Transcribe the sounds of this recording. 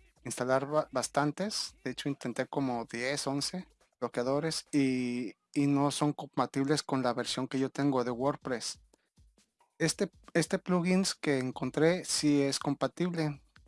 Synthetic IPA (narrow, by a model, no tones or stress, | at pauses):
inst̪alaɾbast̪ant̪esd̪eet͡ʃoint̪e̞nt̪eko̞moðjesonse | b̥lokjaðo̞ɾesiː | no̞so̞ŋkompat̪iβlesko̞nlaβeɾsjo̞ŋke̞ʝot̪eŋɡoðe̞woɾpɾes | est̪e | est̪epluɣinskeːŋkont̪ɾesiesko̞mpat̪iβle